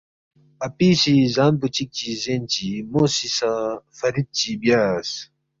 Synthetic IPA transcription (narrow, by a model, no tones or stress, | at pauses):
ɐpiːsizaːnput͡ɕik̚t͡ɕizeːnt͡ɕimosisafɐɾid̪̚t͡ɕibjaːs